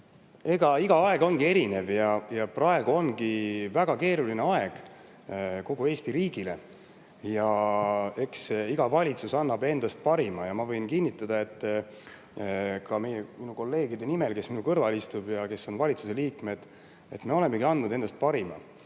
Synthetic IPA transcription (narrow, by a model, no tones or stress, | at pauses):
e̞ɡ̥ɑiɡ̥ɑɑe̞ɡ̥o̞nɡie̞ɾine̞vjɑjɑprɑe̞ɡ̥uo̞nɡivæɡ̥ɑke̞ːɾulineɑeɡ̥ | ko̞ɡ̥ue̞ːst̪iɾiːɡ̥ile̞ | jɑ | e̞ksiɡ̥ɑvɑlʲit̪susɑnːɑbe̞nd̪ɑst̪̚pɑɾimɑjɑmɑvɤ̞jnkinʲːit̪ːˑɑd̪̥ɑe̞t̪ˑː | kɑme̞jeminuko̞lːe̞ːɡid̪e̞nime̞lke̞sminukɤrvɑlist̪ubjɑke̞so̞nvɑlʲit̪suse̞liːkme̞d̪̥ | e̞t̪ːme̞o̞le̞mːe̞ɡiɑnːud̪̥e̞nd̪ɑst̪̚pɑɾimɑ̰